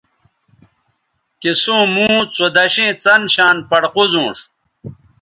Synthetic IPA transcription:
kesũːmũːt͡sod̪ɐɕẽːt͡sɐnɕaːnpɐɽquzũːʂ

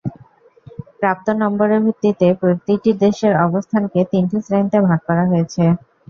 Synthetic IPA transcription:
pɾap̚t̪onːɔmboɾeɾbʱɾit̪ːit̪epɾot̪iʈiɾd̪eʃeɾɔbost̪ʰanket̪inʈisɾent̪ebʱaɡ̚kɔɾaɦoet͡ɕʰe

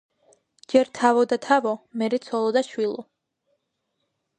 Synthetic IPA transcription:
d͡ʒɛɾt̪ʰavɔd̪at̪ʰavɔmɛɾɛt̪sʰɔlˠɔd̪aʃwilˠɔ

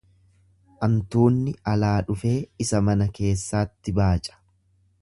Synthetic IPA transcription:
ʔɐmt̪uːnːɪɐlaːᶑʊfe̞ːɪsɐmɐnɐke̞ːsːaːt̪ːɪbaːt͡ʃʼɐ̥

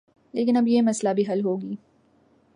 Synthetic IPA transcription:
leːkɪnɐbjemɐslabʱiɦɐlɦoːɡiː

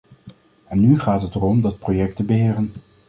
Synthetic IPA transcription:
ɛnːyχaːtɦətərɔmdɑt̚projɛktəbəɦɪːrən

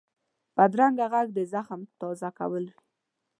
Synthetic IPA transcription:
b̥ad̪ɾaŋɡaɣaɡd̪əzaxmt̪ɔzaka̰wəlwi

